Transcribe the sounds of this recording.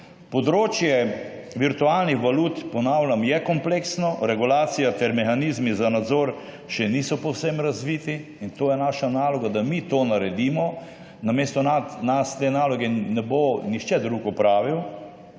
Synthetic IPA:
pɔd̪ɾoːt͡ʃjɛʋiɾt̪ualnixʋaluːt̪pɔnaːwlʲamjɛkɔmpleːksnɔɾɛɡulaːt̪sijat̪ɛɾmɛxanizmizanad̪zoːɾ | ʃɛniːsɔpɔwsemɾazʋiːt̪i | int̪oːjɛnaːʃanaːlɔɡad̪amit̪oːnaɾɛd̪iːmɔ | namest̪ɔnanast̪eːnaːlɔɡɛnɛbonixt͡ʃɛd̪ɾuɡɔpɾaːʋiw

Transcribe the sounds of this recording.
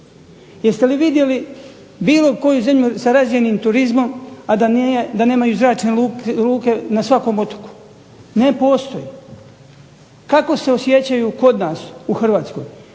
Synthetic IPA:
jest̪e̞liʋid̪je̞li | biːlo̞ko̞juze̞mʎusaɾazjeniːmt̪uɾizmo̞mad̪ad̪ane̞ːmajuzɾaːt͡ʃneluluːke̞nasʋako̞mo̞t̪o̥ku̥ | ne̞po̞ːst̪o̞ji | kako̞se̞osje̞t͡ɕajuko̞d̪naːsuxrʋaːt̪sko̞̰j

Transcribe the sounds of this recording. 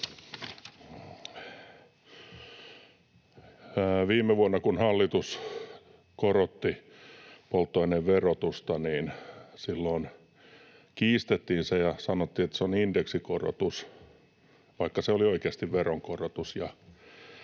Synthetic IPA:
ʋiːmːeʋuɑnːɑkunhɑlːit̪us | korot̪ːi | polt̪ːoineʋʋerot̪ust̪ɑniːnsilːoːn | kiːst̪et̪ːiːnsejɑsɑnot̪ːiːet̪ːseonindeksikoro̰t̪us | ʋɑikːɑseolioikeɑst̪iʋʋeroŋkorot̪usjɑ

